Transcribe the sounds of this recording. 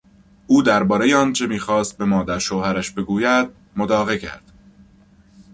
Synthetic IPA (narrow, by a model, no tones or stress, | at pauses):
ʔuːd̪æɾbɒːɾe̞jeɒːnt͡ʃʰe̞miːxɒːst̪̚be̞mɒːd̪æɾʃoːhæɾæʃbe̞ɡuːjæd̪̥̚ | mod̪ɒːɣecʰæ̰ɾd̪̥